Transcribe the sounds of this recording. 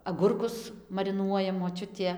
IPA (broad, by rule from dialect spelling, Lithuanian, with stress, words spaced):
ɐˈɡʊrkʊs mɐrʲɪˈnuɔjɛ moːˈt͡ʃʲʊtʲeː